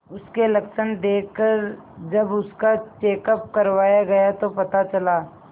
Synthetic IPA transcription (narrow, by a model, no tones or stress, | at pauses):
ʊskelɐkʃənd̪eːkkːəɾ | d͡ʒɐbʊskat͡ʃeːkəp̚kɐɾʋaːjaɡɐjat̪opɐt̪at͡ʃɐlaː